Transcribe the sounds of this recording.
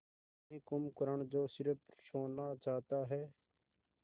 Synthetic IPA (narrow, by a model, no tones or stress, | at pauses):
iːkʊmkəɾəɳd͡ʒoːsɪɾəpsoːnaːt͡ʃaːt̪aːɦɛː